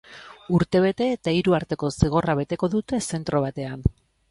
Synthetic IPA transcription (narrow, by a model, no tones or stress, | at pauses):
uɾt̪e̞β̞e̞t̪e̞ːt̪aiɾuaɾt̪e̞ko̞siɣ̞o̞raβe̞t̪e̞ko̞ðut̪e̞se̞nt̪ɾo̞βat̪e̞an